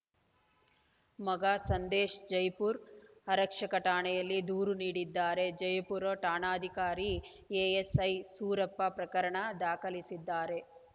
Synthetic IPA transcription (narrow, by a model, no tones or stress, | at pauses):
mɐɡaːsɐnd̪eːʂd͡ʒɐjpuːɾɐɾɐkʂɐkɐʈaːɳɛjɐlːid̪uːɾuniːɽid̪ːaːɾe̞d͡ʒɐjpuɾoːʈaːɳaːd̪ʱikaːɾi | eːesɐjsuːɾɐpːɐpɾɐkɐɾɐɳɐd̪aːkɐlisid̪ːaːɾe